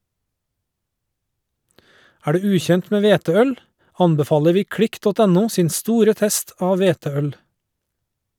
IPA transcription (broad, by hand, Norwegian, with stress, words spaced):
ˈæː ˈɖʉː ˈʉːˌçɛnt ˈmeː ˈʋeːtəˌœl ˈɑnbɛˌfɑːlə ˈʋiː ˈkɽɪk ˈdɔt ˈæˌnuː ˈsiːn ˈstuːɾə ˈtɛst ˈɑːʋ ˈʋeːtəˌœl